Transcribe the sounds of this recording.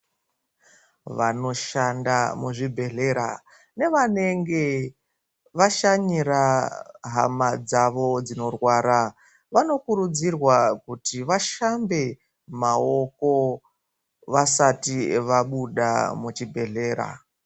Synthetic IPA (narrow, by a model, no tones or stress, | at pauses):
ʋano̞ʃanda̰muʐibʱe̞ɮe̞ɾa | ne̞ʋane̞ŋɡe̞ | ʋaʃaɲiɾaɦa̰mad͡zaʋo̞d͡zino̞rwaːɾa | ʋano̞kuɾud͡zirwakutiʋaʃambe̞ | mao̞ko̞ | ʋasatiʋaɓuɗa̰mut͡ʃibʱe̞ɮe̞ːɾa̰